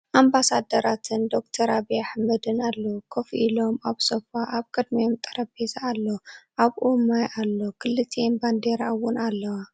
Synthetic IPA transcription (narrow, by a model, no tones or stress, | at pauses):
ʔambasad̪ɐɾat̪ʰɨnd̪o̞kt̪ʰɐɾabiaħmɐd̪ɨnalːokʰofʔilo̞maβsofaʔaβkʼɨd̪miomt̪ʼɐɾɐbezaːlːoʔaβʔumajʔalːokʰɨlːɨt̪ʰːenband̪eɾaʔwʊnalːɐwa